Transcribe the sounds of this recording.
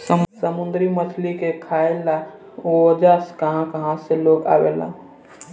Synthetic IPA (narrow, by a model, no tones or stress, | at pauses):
ssəmund̪ɾimət͡ʃʰlikekʰaelːa | ood͡ʒaskəɦãkəɦãseloɡa̰belã̰